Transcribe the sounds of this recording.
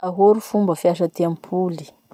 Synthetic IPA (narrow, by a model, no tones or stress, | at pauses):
aɦoɾufumbəfiaʃ̬ət̪eampʰuli̥